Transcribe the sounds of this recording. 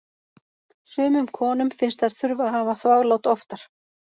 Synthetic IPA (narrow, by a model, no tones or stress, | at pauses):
sʏːmʏmkʰɔːnʏmfɪnst̪að̥θʏɾvaðhaːvaθvaːɣlowt̪ɔft̪aɾ̥